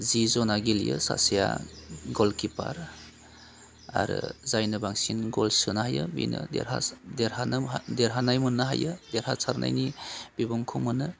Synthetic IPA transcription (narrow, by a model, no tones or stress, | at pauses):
zizɔnaɡiljɯsa̰sija̰ɡɔlkipaɾ | aɾɯzajnɯbaŋsinɡɔlsɯnahajɯbḭnɯdḛɾha̰deɾhandeɾɦanajmɯnːɯɦajɯdeɾhasʰaɾnʔa̰jnib̥ibɔŋkʰumɯnɯ